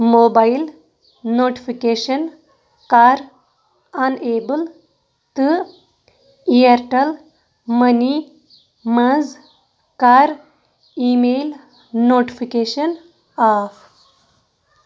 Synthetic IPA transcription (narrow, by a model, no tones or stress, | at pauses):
moːbail | noːʈi̥fikeːʃɐn | kaːɾ | ɐneːbəl | t̪ɨ | iɐɾʈɐl | mɐni | mɐ̃z | kaːɾ | imeːl | noːʈifikeːʃɐn | aːf